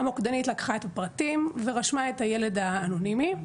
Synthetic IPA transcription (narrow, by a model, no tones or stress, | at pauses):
amukd̪anitlakḁχaet̪apʁatimveʁaʃmaet̪hajele̞d̪aːnonimi